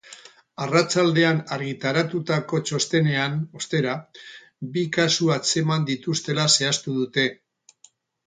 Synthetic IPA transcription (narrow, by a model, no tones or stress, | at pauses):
arat͡ʃald̪e̞anaɾɣit̪aɾat̪ut̪ako̞t͡ʃo̞st̪e̞ne̞ano̞st̪e̞ɾa | bikasuat͡se̞mand̪it̪ust̪e̞lase̞ast̪uðut̪e̞